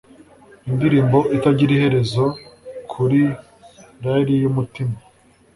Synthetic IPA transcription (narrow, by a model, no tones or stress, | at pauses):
indiɾiːmbo̞ʔitaɟiɾihe̞ɾe̞zo̞kʰuɾi | ɾaɾijumutima